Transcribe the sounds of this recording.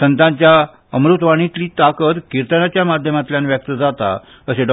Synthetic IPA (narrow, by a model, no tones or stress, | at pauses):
sənt̪ãɲt͡ɕja | əmɾut̪ʋaɽ̃it̪liːt̪akət̪kiɾt̪ənat͡ɕjamad̪ʱjəmat̪ljanʋjək̚t̪əd͡zat̪a̰ | əseɖɔ